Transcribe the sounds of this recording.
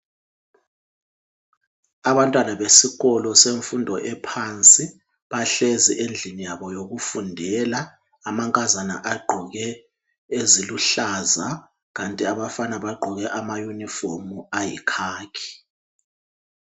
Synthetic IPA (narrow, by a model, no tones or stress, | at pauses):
aβantʼwanaβesiɣɔlɔseɱfundʱɔʔɛpʰant͡sʼi | βaɬezḭʔend͡ɮʱinijaβɔjoɣufundʱɛlaː | maŋkʼazana̰ʔaɡ͡ǃʱuɣɛ | eziluɬaza | ɣantʼiaβafanaβaɡ͡ǃʱɔɣɛʔamajunifomuajḭkʰaːkʰi̥